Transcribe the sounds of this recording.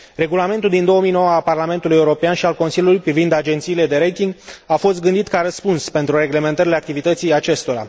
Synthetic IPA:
re̞ɡulame̞nt̪uld̪ind̪o̞omijno̞wəalparlame̞nt̪uluje̞uɾo̞peanʃialko̞nsilʲjulujpɾivind̪ad͡ʒe̞nt̪siːle̞d̪e̞ɾejt̪iŋɡafo̞st̪̚ɡɨnd̪it̪kaɾəspunspe̞nt̪ɾure̞ɡle̞me̞nt̪əɾileakt̪ivit̪ət̪sijat͡ʃe̞st̪o̞ɾa̰

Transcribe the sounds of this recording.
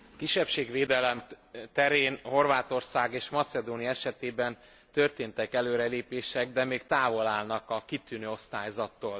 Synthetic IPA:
kiʃːɛpʃeːɡveːd̪ɛlɛmt̪ɛɾeːnho̞rvaːt̪o̞rsaːɡeːʃmɒt̪sɛd̪oːnijɒɛʃɛt̪eːbɛn | t̪ø̞rt̪eːnt̪ɛkɛløːɾɛleːpeːʃɛɡ̚d̪ɛmeːkt̪aːvo̞laːlnɒkɒkit̪yːnøːo̞st̪aːjzɒt̪ːoːl

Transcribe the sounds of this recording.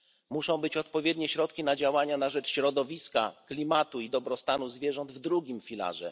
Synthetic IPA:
muʂɔ̃w̃bɘt͡ɕɔt̪pɔvʲjɛd̪ɲɛɕɾɔt̪kʲinad͡ʑawaɲanaʐɛt͡ʂɕɾɔd̪ɔvʲiska̰klʲimat̪uid̪ɔbɾɔst̪anuzvʲjɛʐɔnd̪vd̪ɾuɡʲimfʲila̰ʐɛ̰

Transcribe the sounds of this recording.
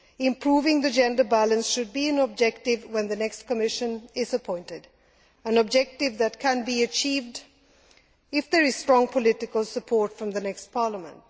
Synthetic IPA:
ɪ̃mpʰɹ̥uːvɪ̃ŋðɨd͡ʒɛ̃ndəbælə̃nsʃʊd̚biɨ̃nəb̚d͡ʒɛk̚tɪvwɛ̃nðɨnɛkstkəmɪʃɨ̃nɪzəpʰɔ̃ɪ̃ntɪd | ə̃nb̚d͡ʒɛk̚tɪvðɨt̚kʰə̃nbiɨt͡ʃiːvd | ɪfðəɹɪz̥stɹ̥ɔ̃ŋpʰəlɪtɪkəlˠsəpʰɔɹtfɹʌ̃mðənɛkstpʰɑɹləmə̃nt̚

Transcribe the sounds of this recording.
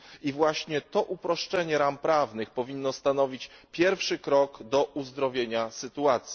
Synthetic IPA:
ivwaɕɲɛt̪ɔʔupɾɔʂt͡ʂɛɲɛɾampɾavnɘxpɔvʲinːɔst̪anɔvʲit͡ɕpʲjɛɾfʂɘkɾɔɡd̪ɔʔuzd̪ɾɔvʲjeɲasɘt̪uat̪sʲji

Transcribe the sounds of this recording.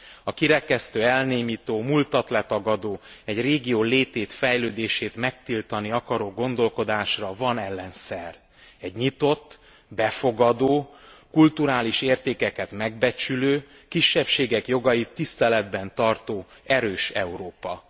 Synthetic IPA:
ɒkiɾɛkɛst̪øːɛlneːmit̪oːmult̪ɒt̪lɛt̪ɒɡɒd̪oːɛɟreːɡijoːleːt̪eːt̪fɛjløːd̪eːʃeːt̪mɛk̚t̪ilt̪ɒniɒkɒɾoːɡo̞nd̪o̞lko̞d̪aːʃrɒvɒnɛlːɛnsɛr | ɛɟɲit̪o̞t̪ː | bɛfo̞ɡɒd̪oːkult̪uɾaːliʃeːrt̪eːkɛkɛt̪mɛɡ̚bɛt͡ʃyløː | kiʃːɛpʃeːɡɛkjo̞ɡɒjit̪ːist̪ɛlɛd̪̚bɛnt̪ɒrt̪oː | ɛɾøːʃɛuɾoːpɒ

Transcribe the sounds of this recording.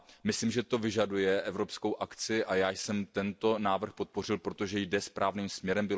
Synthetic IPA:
mɪslimʒɛt̪o̞vɪʒadujɛʔɛvɾo̞pskowʔakt͡sɪʔajaːjsɛmt̪ɛnt̪o̞naːvr̩xpo̞t̪̚po̞rɪlpɾo̞t̪o̞ʒɛjdɛspɾʔaːvniːmsmɲɛɾɛmbɪ

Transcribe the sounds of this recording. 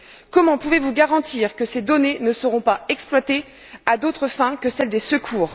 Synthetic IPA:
kɔmɑ̃puvevuɡaʁɑ̃t̪iʁkəsed̪ɔnenəsəʁɔ̃paɛksplwat̪e | ad̪ot̪χəfɛ̃kəsɛld̪esəkʰuːʁ

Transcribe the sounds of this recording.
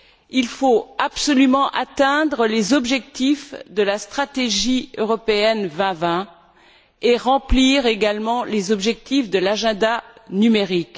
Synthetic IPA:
ilfoapsɔlymɑ̃ʔat̪ɛ̃d̪ʁəlezɔbʒɛk̚t̪ifd̪əlast̪χat̪eʒiøʁɔpeɛnvɛ̃vɛ̃ | eʁɑ̃pliʁeɡalmɑ̃lezɔbʒɛk̚t̪ifd̪əlaʒɛ̃d̪anymeʁik

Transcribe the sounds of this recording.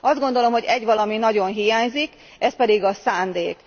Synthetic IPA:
ɒzd̪ɡo̞n̪d̪o̞lo̞mɦo̞ɟɛɟʋɒlɒminɒɟo̞nɦijaːɲzik | ɛspɛd̪iɡɒsaːnd̪eːk

